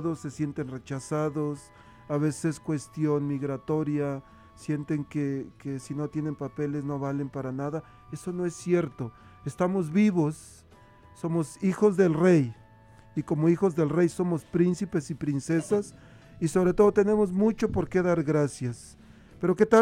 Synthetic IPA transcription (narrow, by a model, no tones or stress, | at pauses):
ðosːe̞sje̞nt̪e̞nre̞t͡ʃasaðo̞s | aβe̞se̥seskwe̞st̪jo̞nmiɣɾat̪o̞ɾja | sje̞nt̪e̞ŋkekesino̞t̪je̞ne̞mpape̞le̞zno̞βale̞mpaɾanaða | e̞so̞no̞e̞sːje̞ɾt̪o̞ | est̪amo̞zβiβosː | o̞mo̞sixo̞zðe̞lre̞j | iko̞moixo̞zðe̞lre̞jso̞mo̞spɾinsipe̞sipɾinse̞sas | iso̞βɾe̞t̪o̞ðot̪e̞ne̞mo̞zmut͡ʃo̞po̞ɾke̞ðaɾɣɾasjas | pe̞ɾo̞ke̞t̪a